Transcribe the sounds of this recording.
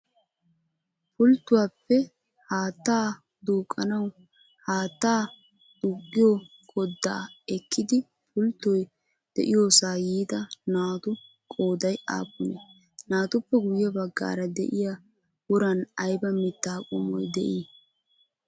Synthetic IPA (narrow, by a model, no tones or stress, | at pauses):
pʊlt̪ːʊwaːpːɛ | haːt̪ːaː | d̪uːkʼːɐnɐw | haːt̪ːaː | ʊɡʼːɪjo | kʼɔd̪ːaːɛkʰːɪd̪ɪ | pʊlt̪ːɔj | d̪̥ɛ̰ʔɪjoːsaːjiːt̪ɐnaːt̪ʊ | kʼoːd̪ɐja̰ːpːʊne | naːt̪ʊpːɛɡʊjjɐbɐɡːa̰ːɾɐd̪ɛ̰ʔɪja | wʊɾɐnɐjbɐmɪt̪ːaːkʼɔmɔ̰jd̪ɛ̰ʔi